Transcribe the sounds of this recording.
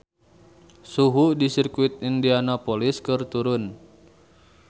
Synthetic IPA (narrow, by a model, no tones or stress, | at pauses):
suɦudisirkuit̪̚indianapoliskɨrt̪uɾʊn